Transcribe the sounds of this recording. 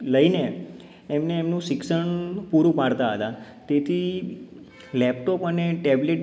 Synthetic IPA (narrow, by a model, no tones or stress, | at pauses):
ləineː | mneːmnũʃɪksəɳpuɾũpaɽt̪aɦə̰t̪a | t̪et̪ʰi | lɛp̚ʈɔpəneʈɛbleʈ